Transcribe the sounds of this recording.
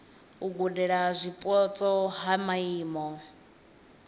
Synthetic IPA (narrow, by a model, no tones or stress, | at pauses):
uɡudɛɺazʷipʼɔt͡sʼɔɦamaiːmɔ